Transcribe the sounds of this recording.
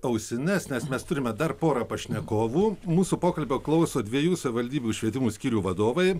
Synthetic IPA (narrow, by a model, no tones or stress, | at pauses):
ɐʊsʲɪnʲɛsʲnʲɛsmʲɛst̪ʊɾʲɪmʲɛd̪ɐrpoːɾɐpɐʃʲnʲɛkoːʋuːmuːsupoːkɐlʲbʲoːklˠɐʊsoːd̪ʲʋʲiɛjuːsɐʋʲɪʋɐlʲd̪ʲiːbʲuːʃʲʋʲiɛt̪ʲɪmuːsʲkʲiːɾʲuːʋɐd̪oːʋɐɪ